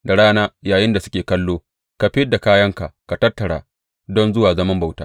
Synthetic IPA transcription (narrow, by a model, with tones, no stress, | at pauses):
da˨ɽaː˦naː˦jaː˨jɪ˦nda˨sʊ˦kʲeː˨kɐ˦lːoː˦ | ka˨ɸɪ˦da˨kaː˦jɐ˦ŋka̰˨ka˨tɐ˦tːɐ˨ɽa̰ː˨ | dɔ˦nzʊ˦waː˨zɐ˦mɐ˦mba˨wtaː˦